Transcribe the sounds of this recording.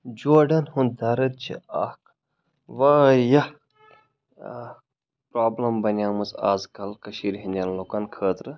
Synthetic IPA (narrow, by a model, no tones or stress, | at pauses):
d͡ʒoːɖɐnhund̪ɐɾɐt̪̚t͡ʃʰḭa̰ːhk | ʋaːjɐ | pɾaːblɐmbɐnʲjaːmusa̰ːzkɐlkɐʃiːɾɦinʲd̪ʲɐnlokɐnkʰəːt̪ɾɨ